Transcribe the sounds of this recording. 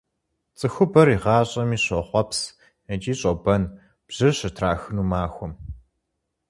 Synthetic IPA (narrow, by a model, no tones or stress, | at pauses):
t͡sʼɨxʷʊbɐɾiʁɑːɕʼɐmiːɕɔχʷɔps | ɐt͡ʃʼiːɕʼɔbɐn | b̥ʑ̥ɨrɕɐtʰraːxɨnuːmaːxʷɔm